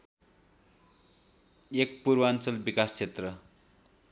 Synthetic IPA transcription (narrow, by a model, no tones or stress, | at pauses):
ek̚puɾbʌant͡sʌlbikast͡sʰet̪rʌ